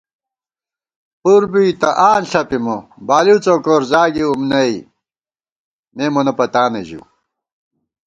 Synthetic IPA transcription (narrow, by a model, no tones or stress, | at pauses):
puɾbiit̪ɐʔaːnɬɐpimobaːliwt͡soːkoɾzaːɡiumnɐi | meːmonɐpɐt̪aːneʑḭ